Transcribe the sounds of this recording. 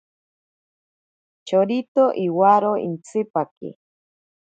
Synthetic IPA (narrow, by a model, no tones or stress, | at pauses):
t͡ʃoɾit̪oʔiwaɾoḭnt͡sʰɪpakḭ